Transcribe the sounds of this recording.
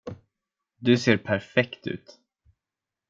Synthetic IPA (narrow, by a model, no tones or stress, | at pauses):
d̪ɵseːɾpʰæɾfɛkt̪ʉ̟̰ːt̪